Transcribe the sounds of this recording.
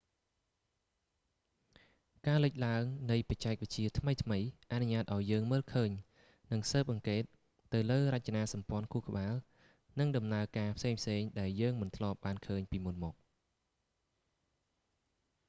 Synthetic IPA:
kaːlɨc̚laəŋnɨjpɑt͡ɕaɛk̚ʋə̆c̚t͡ɕiət̪ʰməjt̪ʰməjʔaʔnuɲaːt̪̚ʔaɔjːəːŋməːlkʰəːɲ | nɨŋsəːp̚ʔɑŋkeːt̪̚ː | ɨwləːrəc̚t͡ɕanaːsɑmpŏənkʰuəhkə̆ɓaːl | nɨŋɗɑmnaəkaːpʰseːŋpʰseːŋɗaɛljəːŋmɨnt̪ʰlŏəp̚ɓaːnkʰəːɲpiːmunmɔːk̚

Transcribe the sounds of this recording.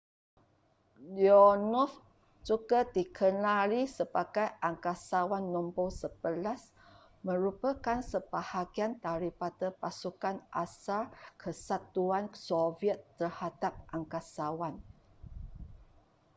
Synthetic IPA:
liɔnɔf | t͡ʃuɡəd̪ikʰənaɾisəbaɡajʔaŋkasawanːɔmbosəbəlas | mə̃ɾupəkansəbahaɡiant̪aɾipat̪əpasukanʔasalkʰəsat̪ːuansoviət̪ːərhadap̚ʔaŋkasawan

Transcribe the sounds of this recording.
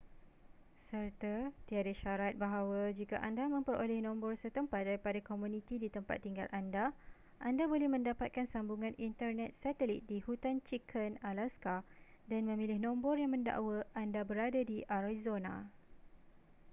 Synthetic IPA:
sərt̪at̪iadaʃaɾat̪̚baɦawad͡ʒika̰ʔandamə̃mpəɾo̰lɛhnɔ̃mbɔrsət̪əmpat̪̚daɾipadakomũnĩt̪idit̪əmpa̰t̪ːiŋɡa̰lʔanda | ʔandabolɛhmə̃ndapat̪̚kansambuŋãnint̪ərnɛt̪̚sat̪əlit̪̚dihut̪ant͡ʃikʰənalaska | danmə̃mĩlɪhnɔ̃mbɔrjaŋmə̃nda̰ʔwəʔandabəɾadadiʔaɾazonã̰

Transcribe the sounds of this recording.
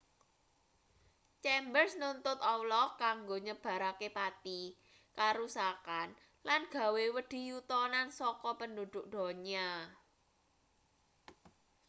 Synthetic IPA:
t͡ʃɛmbərsnʊnt̪ʊt̪ɔwlɔkaŋɡoɲəb̥ä̤ɾakepat̪i | kaɾusakan | lanɡ̥ä̤wewəɖ̪̥i̤jut̪ɔnansɔkɔpəndud̪̥ʊk̚d̪̥ɔ̤ɲa

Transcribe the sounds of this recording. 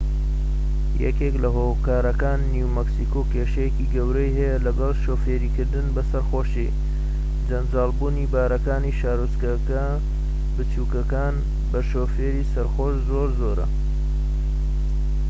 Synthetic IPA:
jɛ̰keklɐɦoːkaːɾɐkaːnːiwmɐksikoːkeːʃɐjekiːɡɐwɾɐjɦɐjɐlɐɡɐlˠʃoːfeːɾiːkɨɾd̪ɨnbɐsɐɾxoːʃi | d͡ʒɐnd͡ʒaːlˠbuːniːbaːɾɐkaːniʃaːɾuskɐkɐ | bɨt͡ʃuːkɐkaːn | bɐʃoːfeːɾiːsɐɾxoːʃzoːɾzoɾɐ̰

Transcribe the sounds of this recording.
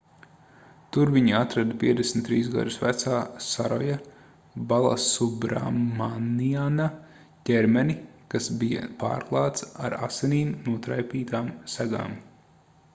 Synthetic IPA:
t̪uɾviɲiat̪ɾad̪piɛd̪esmt̪ːɾiːzɡa̰d̪usvæt̪saːsaɾɔja | balˠa̰subɾa̰mːaniana | cʲɛɾmɛnikasbija̰pa̰ːɾklˠaɑːt̪sa̰ɾa̰sɛniːmnuɔt̪ɾajpiːt̪aːmsæɡa̰ːm

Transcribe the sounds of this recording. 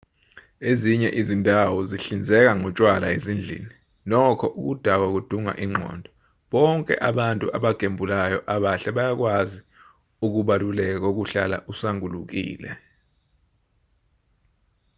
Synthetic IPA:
eziɲɛʔizindʱawɔziɬind͡zʱɛk̬aŋɔt͡ʃʼwalaezind͡ɮʱḭːni | lɔkʰɔʔuk̬ud̥ʱak̬wak̬ud̥ʱuŋa̰ʔiŋ͡ǃʱɔ̰ːndʱɔ | ɓɔŋkʼɛ̰ʔaɓantʼṵʔaɓaɡ̥ʱembʱulajɔʔaɓaɬɛɓajak̬wazi | uk̬uɓalulɛk̬ɔk̬uɬala̰ʔusaŋuluk̬ḭːlɛ̰

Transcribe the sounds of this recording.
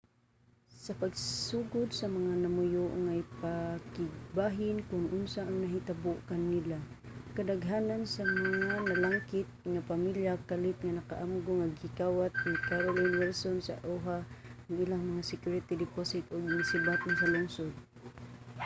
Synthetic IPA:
sapaɡsuːɡʊd̪samaŋanamʊjʊʔŋajpakɪɡ̚baɦɪnkʊnʔʊnsaʔaŋnaɦit̪abʊʔkanːila | kad̪aɡɦaːnansamaŋanalaŋkɪt̪̚ŋapamiljakalɪt̪̚ŋanakaʔamɡʊŋaɡɪkawat̪̚nikaɾolinwɛlsonsa̰ʔuɦaaŋilaŋmaŋasɪkjʊɹɪt̪id̪ɪposɪt̪ʔʊɡ̚nasɪbat̪̚nasalʊŋsod̪̚

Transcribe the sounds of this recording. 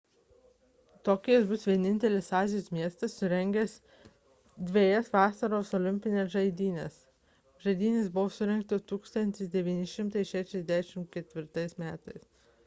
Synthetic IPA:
t̪oːkʲːjɛsbʊsʋʲiɛnʲɪnʲt̪ʲɛlʲɪsɑːzʲɪjoːsmʲiɛst̪ɐsːʊɾʲɛŋʲɡʲɛs | d̪ʲʋʲeɛjɛsʋɑːsɐɾoːsolʲɪmʲpʲɪnʲeːsʒɐɪd̪ʲiːnʲɛs | ʒɐɪd̪ʲiːnʲɪsbʊʋosʊɾʲɛŋkt̪ot̪uːkst̪ɐnʲt̪ʲɪsd̪ʲɛʋʲiːnʲɪʃʲɪmt̪ɐɪʃʲæːʃʲɛzd̪ʲæːʃʲɪmkʲɛt̪ʲʋʲɪɾt̪ɐɪsmʲæːt̪ɐɪs

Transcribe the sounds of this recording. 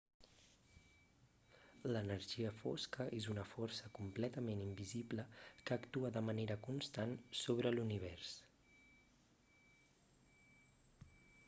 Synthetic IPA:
lənəɾʒiəfo̰skəʔezunəfɔɾsəkumplɛt̪əmenimbizibləkəːkt̪uəðəməneɾəkunst̪ansoβ̞ɾəluniβ̞ɛrs

